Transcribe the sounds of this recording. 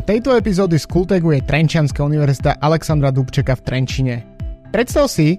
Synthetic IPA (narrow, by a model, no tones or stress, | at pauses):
t̪ɛjt̪ɔɛpizɔːd̪iskult̪ɛɡujɛt̪ɾɛnt͡ʃɪanskauniʋɛɾzit̪aʔalɛksand̪ɾad̪upt͡ʃɛkaft̪ɾɛnt͡ʃiɲɛpɾɛt̪st̪aʊsi